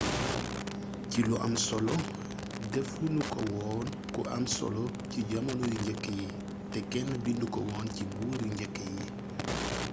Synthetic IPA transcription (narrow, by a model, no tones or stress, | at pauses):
ciluʔɐ̰msɔlɔ | dɛfunukɔwɔːn | kɔʔɐmsɔ̰lɔ | ciɟɐmɐlɔjuɲɟɛkːəji | tɛkɛnːəbindukɔwɔːncibuːljuɲɟɛkːəji